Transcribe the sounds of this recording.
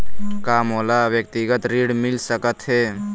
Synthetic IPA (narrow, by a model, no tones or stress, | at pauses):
kaːmoːlaːwjək̚t̪iɡət̪ɾiːɽmɪlsəkət̪ɦeː